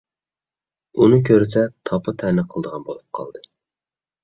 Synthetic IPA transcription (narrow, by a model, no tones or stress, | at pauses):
unɨkʲʰøɾsɛt̪ʰɑpʰɨt̪ʰɛnɨqʰəlˠd̪əʁɑnbo̰lˠup̚qʰɑ̰lˠd̪ɨ